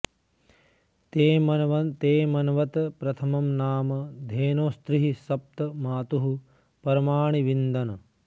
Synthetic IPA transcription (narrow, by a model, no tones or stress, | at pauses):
eɐt̪eːmɐnɐʋɐt̪ɐpɾɐt̪ʰɐmɐmnaːmɐd̪ʱeːnoːst̪ɾiɦisɐp̚t̪ɐmaːt̪uɦu | pɐɾɐmaːɳiʋind̪ɐnɐ